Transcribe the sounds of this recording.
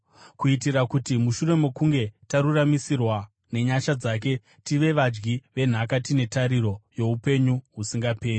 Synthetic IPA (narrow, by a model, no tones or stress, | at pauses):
kuitirakutimuʃure̞mo̞kuŋɡe̞taɾuramisirwa | ne̞ɲaʃad͡zak̬e̞ | tiʋe̞ʋad͡ʒɡiʋe̞n̤akatine̞taɾiɾo̞jo̞upe̞ɲuɦusiŋɡape̞ːri